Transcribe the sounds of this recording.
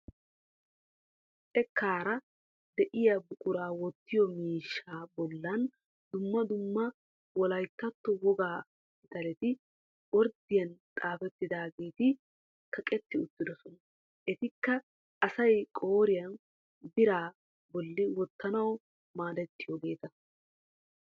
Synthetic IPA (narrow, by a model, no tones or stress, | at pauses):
ʔɛkːaːɾɐ | d̪ɛʔɪjɐbʊkʼʊɾaːwɔt̪ːɪjɔmiːʃːaːbɔlːɐn | d̪ʊmːɐd̪ʊmːɐ | wɔlɐjt̪ːɐt̪ːɔwɔɡaː | kɪt̪ɐlɛt̪ɪ | wɔɾd̪ɪjɐnt̪ʼaːfɛt̪ːɪd̪aːɡe̞ːt̪ɪ | kʰɐkʼɛt̪ːɪʊt̪ːɪd̪ɔsɔnɐ | ʔɛt̪ɪkːɐ | ʔɐsɐjkʼoːɾɪjɐn | bɪɾaː | bɔlːɪwɔt̪ːɐnɐw | maːd̪ɛt̪ːɪjɔɡe̞ːt̪ɐ